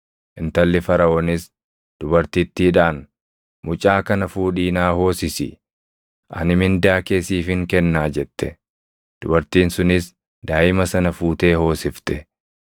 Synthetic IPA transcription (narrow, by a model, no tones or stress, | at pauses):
ʔɪnt̪ɐlːɪfɐɾɐʔɔnɪs | d̪̥ʊbɐɾt̪ɪt̪ːɪɪᶑaːn | mʊt͡ʃʼaːkɐnɐfuːᶑiːnaːho̞ːsɪsɪ̰ | ʔɐ̰nɪmɪnd̪aːke̞ːsiːfɪŋkɛnːaːd͡ʒɛt̪ːɛ̰ | d̪̥ʊbɐɾt̪iːnsʊnɪs | d̪aːʔɪmɐsɐnɐfuːt̪e̞ːho̞ːsɪft̪ɛ